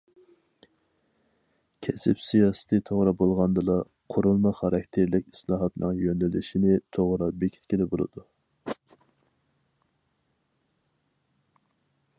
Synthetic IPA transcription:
kʲʰɛsɪpsijɑːsɨ̥t̪ʰɨt̪ʰoʁɾɑbolˠʁɑnd̪ɨlˠɑ | qʰoɾulˠmɑχɑɾɑkʲt̪ʰeɾlɪkʲi̥slˠɑːɦɑt̪nɨ̰ŋjønlɪlɪʃinɪt̪ʰoʁɾɑbekʲʰi̥t̪ʲkʲid̪ɛbolˠɨ̰d̪u

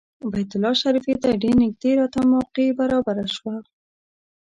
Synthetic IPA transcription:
bajt̪ʊlɑʃaɾifid̪aɖenɪk̚d̪eɾɑt̪amɑqibaɾɑbaɾaʃwa

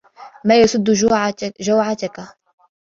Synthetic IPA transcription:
maːjasʊd̪ːʊʒawʕat̪aka

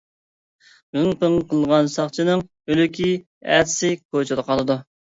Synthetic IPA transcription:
bnŋpʰəŋqʰəlˠʁɑnsɑχt͡ʃʰinɨŋ | ølykʲʰi | æ̰d̪ɪsɪkʰot͡ʃʰɪd̪əqʰɑlˠɨd̪u

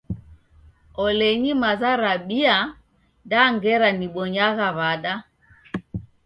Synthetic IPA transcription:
ɔlɛɲimazaɾaɓia | daŋɡɛɾaniɓɔɲaɣaβaɗa

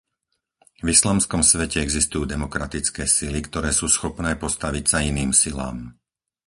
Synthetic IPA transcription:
vislaːmskɔmsʋɛcɛɛɡzist̪ujuːd̪ɛmɔkɾat̪it͡skɛːsilikt̪ɔɾɛːsuːsxɔpnɛːpɔst̪aʋicsainiːmsila̰ːm

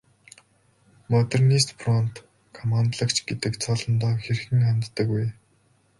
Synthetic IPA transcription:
mɔt̪ernist̪prɔnt̪ | kʰɔmant̪ɮə̆kt͡ɕʰɡet̪ɘ̆kt͡sʰɔɮɞ̆nt̪ɔːxer̆xɘ̆ŋχamʲt̪ːə̆kuj

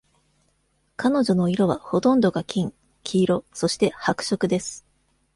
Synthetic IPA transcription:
kano̞ʑo̞no̞iɾo̞βaho̞t̪õ̞nd̪o̞ɡakʲʰĩŋ | kʲʰiːɾo̞so̞ɕi̥t̪e̞hakɯ̟̥ɕo̞kɯ̟d̪e̞sɨ̥

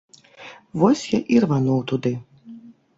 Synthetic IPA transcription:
vɔsʲjaʔirvanɔwt̪ud̪ɪ

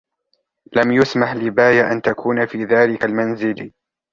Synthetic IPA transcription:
lamjʊsmaħlɪbaːjaʔant̪akʰuːnafiːðaːlɪkalmanzɪl

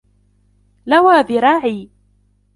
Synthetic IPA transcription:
lawaːðɪɾˤaːʕiː

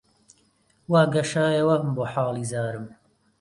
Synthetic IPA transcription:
waːɡɐʃaːjɐwɐmboːħaːlˠiːzaːɾɨm

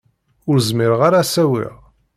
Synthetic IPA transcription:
ʊɾzmɪɾəʁaɾasæwḭʁ

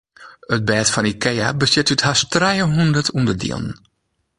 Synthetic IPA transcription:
ət̚bɛːtfɑnikɛjabəsɪtythastrɛjəɦundətʰumdədḭə̰lˠn

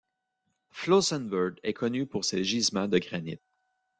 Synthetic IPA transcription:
flosɛnvœʁɡɛkʰɔnypuʁseʒizmãd̪əɡʁanḭt̪̚

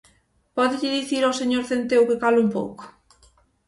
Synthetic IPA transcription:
pɔðɪʎɪðiθiɾawseɲoɾθent̪ewkekalumpo̰wko̥

